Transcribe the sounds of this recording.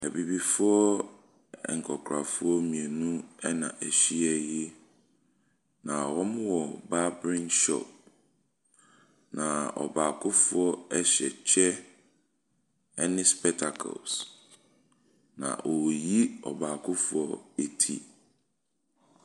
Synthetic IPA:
æ˨bi˨bi˨fʊ˦ɔ˦ | ɛ̰˨ŋ̩˨kʰɔ˨kʰɾa˨fʊ˦ɔ˦mĩ˨ɛ˨nũ˦ɛ˦nã̰˨ʔæ˨ɕi˦ɛ˦ji˦ | nã˨wɔ˦m˦wɔ˨ba˦bɾĩ˦nʃɔ̰˦˨p̚ | nã˨ɔ̰˨baː˨kʰʊ˦fʊ˦ɔ˦ɛ˦ɕɛ̰˨t͡ɕʰɛ˦ | ɛ˦nɪ̃˦spɛ˦k̚tʰa˨kʰɔ̰˨ls | nã̰˨wɔ˨ji˦ɔ̰˨baː˨kʰʊ˦fʊ˦ɔ˦e˨tʰḭ˨

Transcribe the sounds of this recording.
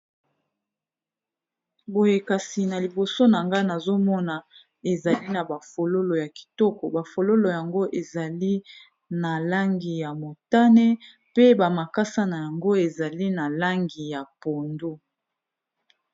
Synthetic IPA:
bo˨je˨ka˨si˨na˨li˨bo˨so˦na˨ŋɡa˦na˨zo˦mɔ˦na˨ | e˨za˨li˦na˨ba˨fo˨lo˦lo˨ja˨ki̥˨tɔ˦kɔ˨ba˨fo˨lo˦lo˨ja˨ŋɡo˦ʔe˨za˨li˦ | na˨la˦ŋɡi˨ja˨mo˨ta˦ne˦ | pe˦ba˨ma˨ka˦sa˦na˨ja˨ŋɡo˦e˨za˨li˦na˨la˦ŋɡi˨ja˨po˨ndo˦

